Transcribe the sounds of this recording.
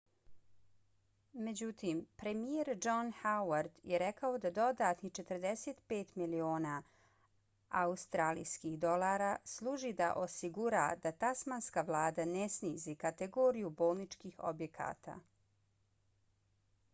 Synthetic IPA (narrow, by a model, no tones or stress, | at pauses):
me̞d͡ʑut̪iːmpɾe̞mijeɾd͡ʒonhawaɾd̪jeɾekaod̪ad̪o̞d̪at̪nit͡ʃe̞t̪əɾd̪eset̪peːt̪milio̞ːna | aust̪ɾaːlḭjskixd̪o̞laːɾaslˠuːʒid̪a̰ʔo̞siɡuɾa̰d̪̥at̪asmanskaʋlˠaːd̪anesniːzikat̪eɡoːɾijubo̞ːlˠnit͡ʃkixo̰bje̞kʰa̰ːt̪a̰